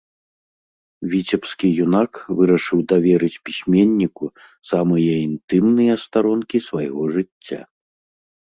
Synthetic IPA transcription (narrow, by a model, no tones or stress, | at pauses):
vʲit͡sʲɛpskʲijunakvɨɾɐʂɨwd̪avʲɛɾɨt͡sʲpʲisʲmʲenʲːiku | samɨjɐint̪ɨmnɨjɐst̪aɾɔnkʲisvajɣɔʐɨt͡sʲːa̰